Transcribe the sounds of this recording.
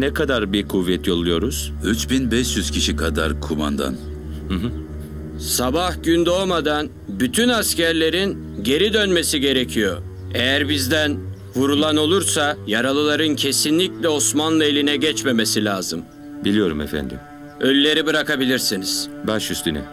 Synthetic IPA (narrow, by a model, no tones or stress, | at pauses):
nɛkʰad̪aɾbikʰuvːɛt̪ʰjo̞lˠujo̞ɾuz̥ | yt͡ʃbinbɛʃjyz̥cʰiʃikʰad̪a̰ɾkʰuma̰nd̪a̰n | hɯɦɯ | sabahɟynd̪omad̪an | byt̪ʰynascæɾlʲe̞ɾin | ɟe̞ɾid̪ønmesiɟe̞ɾe̞cʰijo̞ | e̞jæɾbizd̪æn | vuɾulˠano̞lˠuɾsajaɾalˠɯlˠaɾɯncʰe̞sinlʲiclʲɛo̞smanlˠaelʲinɛɟɛt͡ʃme̞me̞silʲaːzɯm | bilʲijo̞ɾumɛfæ̰nd̪ḭm | ølʲːe̞ɾibɯɾakabilʲiɾsiniz̥baʃyst̪ynɛ̰